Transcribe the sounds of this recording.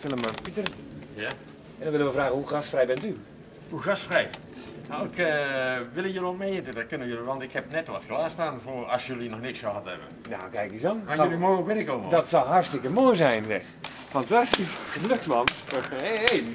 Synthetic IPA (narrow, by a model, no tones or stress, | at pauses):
fɪlˠəməpitərja | ɛndɔnʋɪlənʋəfraːɣəhuxastfrɛjbɛnty | huxastfrɛj | nawɪkəʋɪlˠəjølomejəntədɔkønəjøliʋɑntɪkhɛpnɛtʋɔtklaːstaːnfoɔsjølinɔxnɪksəhatɛ̰bə̰ | na̰ːkɛjk̚disonajølimoobɪnəkomədɔtsɔlˠɦarstɪkəmoːjzɛjnzɛ̰x | fantastisxəløktmaneej